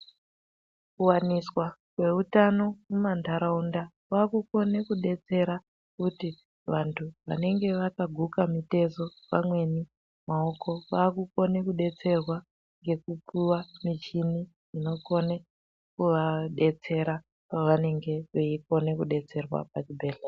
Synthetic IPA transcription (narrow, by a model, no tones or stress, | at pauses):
kuwaniswakwe̞utano̞mumantʰaɾaunda | wakuko̞ne̞kuɗe̞t͡se̞ɾa | kuti | ʋantʰuʋa̰ne̞ŋɡe̞ʋakaɡʱukamite̞zo̞pa̰mwe̞ni | mao̞ko̞ʋakuko̞nekuɗe̞t͡se̞rwa | ŋɡe̞kupʰuwamit͡ʃini | ino̞ko̞ne | kuʋaɗe̞t͡se̞ɾa | paʋane̞ŋɡe̞ʋeiko̞ne̞kuɗe̞t͡se̞rwa̰pat͡ʃibʱeːɮe